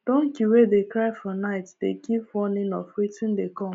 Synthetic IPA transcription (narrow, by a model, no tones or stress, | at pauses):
d̥ɔ̃ŋkuwedekɾaɪfɔnaɪtdekipwɔnɪnɔfwitɪ̃ndekɔ̃m